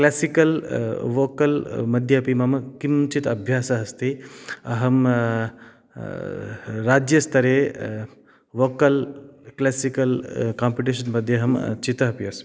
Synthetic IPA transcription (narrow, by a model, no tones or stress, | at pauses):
kleːsikɐlʋoːkɐlmɐd̪ʱjɐpimɐmɐkimt͡ʃit̪ɐbʱjaːsaɦɐst̪ʰiɐɦɐm | ɾaːd͡ʒjɐst̪ʰɐɾe | ʋoːkɐlklɛːsikɐlkaːmpiʈiʃɐnmɐd̪ʱjeɦɐmt͡ʃit̪ɐɦɐpiɐs